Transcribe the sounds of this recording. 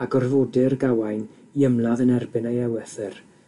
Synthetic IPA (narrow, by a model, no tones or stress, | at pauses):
aɡɔrvoːdɪrɡawajn | iəmlaðənɛrbɨnejɛwɛθɨr